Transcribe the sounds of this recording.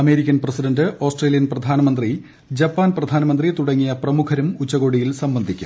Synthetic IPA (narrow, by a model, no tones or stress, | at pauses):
ɐme̞ːɾikʲːɐnprɐsidɐndɨo̞ːsʈre̞ːlijɐnprɐd̪ʱaːnɐmɐnd̪ri | d͡ʑɐpːaːnprɐd̪ʱaːnɐmɐnd̪rit̪uɽɐŋːijɐprɐmukʰɐɾumut͡ɕːɐɣo̞ːɽijilsɐmbɐnd̪ʱikʲːu̥̰